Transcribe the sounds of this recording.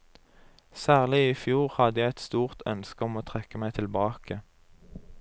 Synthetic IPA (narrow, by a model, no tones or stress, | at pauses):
sæːʁlɪifjuːʁhɑd̪əjæɛt̪st̪uːʁt̪ʰœ̰nskəɔmoːt̪ʰʁɛkəmæɪt̪ʰɪlbɑːkə